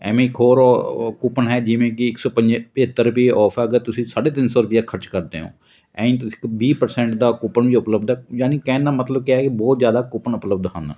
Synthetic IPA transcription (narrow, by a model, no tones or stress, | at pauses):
ɛ̰ːmẽːɪkɦoːɾkupənɦɛːd͡ʒɪʋẽːkɪɪksɔːpəɲd͡ʒpət̪ːəɾʊpieʔɔːpʰaɡət̪ʊsĩːsaːɖeːt̪ɪnsɔːɾʊpɪjaːkʰəɾt͡ʃkəɾd̪ḛːɦõ̰ː | ɛ̰̃ːĩnt̪ɪ̥kbiːpəɾsɛ̃ːɳʈd̪aːkʊpənʋiːʊpləbd̪ɛːjaːniːkɛ̃ːnːãːmət̪ləbkɛɛːkɪbɔːt̪zjaːd̪aːkʊpənʊpləb̚d̪ɦa̰ːna̰ː